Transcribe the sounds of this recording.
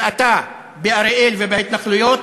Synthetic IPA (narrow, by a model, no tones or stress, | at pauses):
ʔat̪a | beʔaɾeʔelvebehit̪naχlujoːt̪